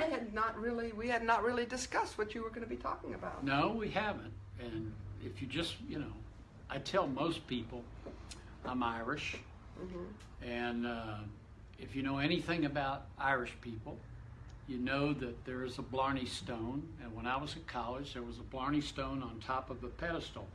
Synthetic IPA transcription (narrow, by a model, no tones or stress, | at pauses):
aɪɨdⁿnət̚ɹɪlˠiwiɨdⁿnət̚ɹɪlˠidɨskʌst̚wʌt͡ʃɨwə˞ɡʌnɨbitʰɔkɪ̃ŋɨbaʊt̚noʊwiævɨ̃ntɨ̃nɪfjɨd͡ʒʌstjɨnoʊ | ʔaɪtʰɛlˠmoʊspʰipl̩ˠ | ãmaɪɹɪʃ̩ | m̩ | ɨ̃n | ɨfjɨnoʊɛñiθɪ̃ŋɨbaʊɾaɪɹɨʃpʰipl̩ˠ | jɨnoʊðɨt̪̚ðə˞ɨzəblɑɹnistõʊ̃nɨ̃nwə̃ñaɪwʌzɨt̚kʰɑlˠɪd͡ʒðə˞wʌzəblɑɹnistõʊ̃nə̃ntʰɑpʌvðəpʰɛɾɨstl̩ˠ